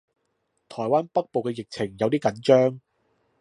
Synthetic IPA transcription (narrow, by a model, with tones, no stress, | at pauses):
t̪ʰɔː˨˩jwaː˥npɐ˥k̚po˨wkɛː˧jɪ˨k̚t͡sʰɪ˨˩ŋjɐ˨˧wt̪iː˥kɐ˨˥nt͡ʃœː˥ŋ